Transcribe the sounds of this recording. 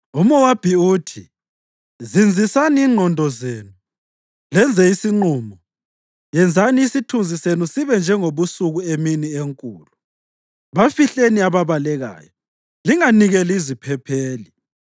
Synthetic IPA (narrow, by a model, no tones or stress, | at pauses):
umɔwab̥ʱiuːtʰi | zind͡zʱisaniːŋ͡ǃʱɔndʱɔzeːnu | lɛnd͡zʱɛisiŋ͡ǃuːmɔ | jɛnd͡zʱaniːsitʰund͡zʱisenusiβɛnd͡ʒʱɛŋoβusuɣueminieŋkʼṵːlu | βafiɬeniaβaβalɛɣa̰ːjɔ | liŋaniɣɛlizipʰɛpʰeːli